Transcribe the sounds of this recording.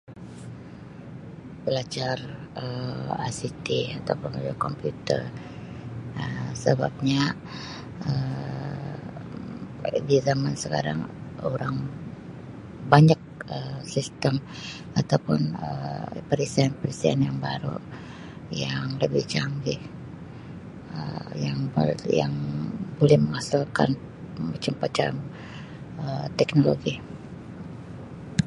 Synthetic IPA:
pəlat͡ʃarəa̰sit̪iat̪awpʊnmad͡ʒkɔmpjut̪ə̰r | əsəba̰p̚ɲa | ə | dizamansəka̰ɾa̰ŋoɾaŋ | baɲak̚əsist̪əm | at̪awpʊnəpəɾisianpəɾisianjaŋbaɾṵ | jaŋləbɪht͡ʃaŋɡih | ə̰jaŋja̰ŋbolɛhməŋasilka̰n | mat͡ʃampat͡ʃa̰m | ət̪ɛknoloɡi

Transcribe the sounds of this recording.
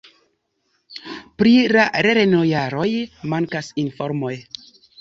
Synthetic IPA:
pɾilaɾeɾenojaɾo̞jmaŋkasinfoɾmo̞j

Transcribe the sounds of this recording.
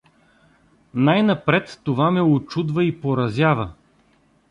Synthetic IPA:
najnɐpɾɛt̪ːovamɛot͡ʃud̪vɐipoɾɐzʲjavə

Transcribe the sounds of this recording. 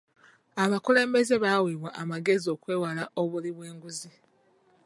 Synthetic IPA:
aβakule̞ːmbe̞ze̞βawiβwaʔamaɡe̞zio̞kwe̞ːwalaʔo̞βuliβwe̞ːŋɡuzi

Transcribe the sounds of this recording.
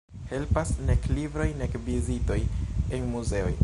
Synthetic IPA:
he̞lpasneklibɾo̞jnekvizito̞jenmuze̞o̰j

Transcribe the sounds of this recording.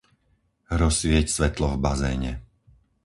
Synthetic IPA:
ɾɔsʋɪɛcsʋɛt̪lɔvbazɛːɲɛ̰

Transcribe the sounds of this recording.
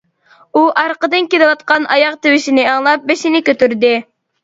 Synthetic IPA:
uʔɑɾqəd̪ɨnkʲelɨwɑt̪̚qɑnɑjɑqt̪ewɪʃinɪɑŋlˠɑp̚beʃinɪkʲøt̪yɾd̪ɪ

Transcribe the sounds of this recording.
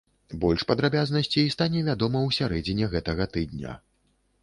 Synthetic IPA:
bɔlʲʂpɐd̪ɾabʲaznɐsʲt͡sʲiːst̪anʲɛvʲad̪ɔmɐwsʲaɾɛd͡zʲinʲɛɣɛt̪ɐɣɐt̪ɨd̪̚nʲɐ̰

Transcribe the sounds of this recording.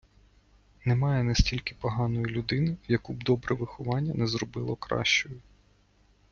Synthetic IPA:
nɛmɑjɛnɛsʲtʲilʲkɪ̥pɔɦɑnɔjʊlʲʊd̪ɪnʊjɐkubd̪ɔbɾɛʋɪxʊʋɑnʲːɐnɛzrɔbɪlˠɔkɾɑ̰ʃt͡ʃɔjʊ

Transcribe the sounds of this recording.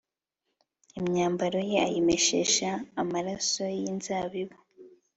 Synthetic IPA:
imɲaːmbaɾo̞je̞a̰jeme̞ʃeʃaːmaɾaso̞jinzaːβiβo

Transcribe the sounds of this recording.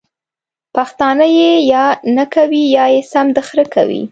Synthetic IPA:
paxt̪ɑnəjejɑnakawijɑjesamd̪xɾəka̰wḭ

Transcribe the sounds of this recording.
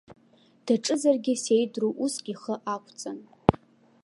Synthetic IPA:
d̥aʈ͡ʂʼɨzarɡʲɪse̞jdruʔusɡʲiχəʔakʷʰt͡sʼan

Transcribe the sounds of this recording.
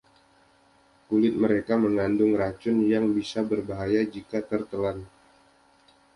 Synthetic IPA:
kulɪt̪̚məɾekaməŋandʊŋrat͡ʃʊnjaŋbisabərbaɦajad͡ʒikat̪ərt̪əlan

